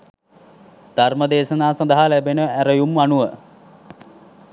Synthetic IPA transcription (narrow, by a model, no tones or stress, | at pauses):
d̪̥ʱarməd̪eːʃənaːsand̪əɦalæbenəæɾəjumːanuʋə